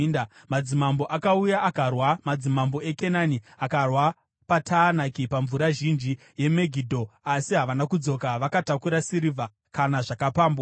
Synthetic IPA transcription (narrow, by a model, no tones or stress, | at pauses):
na | mad͡zimambo̞ʔakaujaʔːkarwamad͡zimambo̞eke̞naniakarwa | patʰaːnakipaɱvuɾaʒind͡ʒi | je̞me̞ɡʱidʱo̞asiɦaʋanakud͡zo̞kaʋakatakuɾasiɾiva | kanaʐakapaːmbo